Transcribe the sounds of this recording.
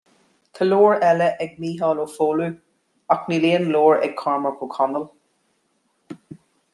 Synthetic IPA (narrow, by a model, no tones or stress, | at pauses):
t̪ʰəloːɹɛləʔɛɡ̚miːɦɑːloːfoːlu | akniːleːənloːɹɛ̰ɡ̚kʰɑɹməɹkʰokʰanəl